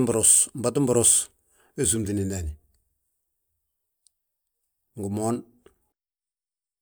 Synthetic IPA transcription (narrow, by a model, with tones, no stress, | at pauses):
mbɾo˨sm̩˨ba˦tu˦mbʊ˦ɾos | e˦s̬u˨mti˨ni˨nda˨ni˨ | ŋ˨ɡu˨mo˦n